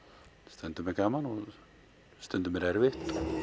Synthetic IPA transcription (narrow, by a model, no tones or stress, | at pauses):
st̪ɛnt̪ʏmɛkaːmanɔ | st̪ɛnt̪ʏmɛɾɛɾvɪht̪ɔ